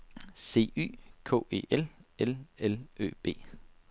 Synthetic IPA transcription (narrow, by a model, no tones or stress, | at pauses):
se̝̰ːy̰ːkʰo̰ːe̝̰ːʔelelelø̰ːb̥e̝̰ː